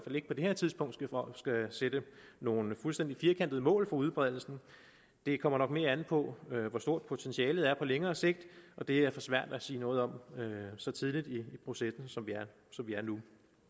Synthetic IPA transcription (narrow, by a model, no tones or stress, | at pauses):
fæle̝ɡ̥əpʰɒ̽d̥e̝he̝ɐ̰t͡sʰiðˠsb̥ʰɔ̽ŋ̰d̥sɡ̥æsed̥əno̝ːn̩fulsd̥end̥ifiːɐkʰændəð̞̩ˠəmɔ̰̽ːlfɒ̈uð̞ˠb̥ʁɛð̰ˠl̩sn̩ | d̥e̝kʰɒ̽m̰ɐnɒ̽ɡ̥̚me̝ːɐænð̩ˠpʰɒ̽øʋɒsd̥o̝ɐ̰d̥̚pʰo̝t͡sʰenɕiɛːlð̞̩ˠæɐpʰɒ̽leŋɐːse̝ɡ̥̚d̥ʔɒ̽d̥e̝æɐfɒ̽sʋæɐ̰d̥æsiːnɔ̽ːð̩ˠɒ̽møsɒ̽t͡sʰið̞ˠlid̥iːpʰʁo̝sesn̩sɒ̽mʋiæɐ | sɒ̽mʋiæɐnu